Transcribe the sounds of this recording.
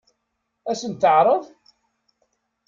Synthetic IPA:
æsənt̪ːəʕɾˤəð

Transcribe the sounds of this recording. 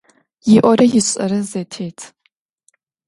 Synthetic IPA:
jɪʔʷɔɾɐjɪɕʼɐ̰ɾɨzɐtʰeːtʰ

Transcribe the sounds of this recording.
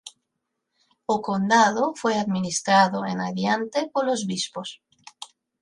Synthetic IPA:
okond̪aðofweaðminist̪ɾaðoḛnaðjant̪epoɾlozβispos

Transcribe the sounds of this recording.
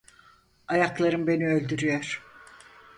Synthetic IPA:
ajaklˠaɾɯmbe̞niø̞lʲd̪yɾyjoɾ̥

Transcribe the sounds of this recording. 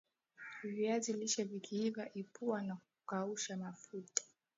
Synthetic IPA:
viaziliʃavikʰiivaʔipuwanak̚ukauʃamafutḁ

